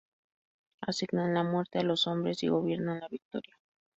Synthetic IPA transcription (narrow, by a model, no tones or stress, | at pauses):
a̰siɣnanlamwe̞ɾt̪e̞alo̞so̞mbɾe̞sḭɣo̞β̞je̞ɾnanlaβik̚t̪o̞̰ɾja